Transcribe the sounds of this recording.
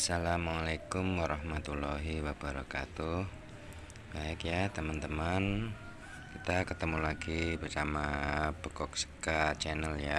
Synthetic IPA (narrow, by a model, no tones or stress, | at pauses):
asalamalekʊmwaɾɑhmat̪ulɔɦiwabaɾɔ̰ka̰t̪u | b̥aɪkjat̪əmant̪əman | kit̪akət̪əmulaɡibərsamapəkɔk̚sə̥kat͡ʃɛnəlja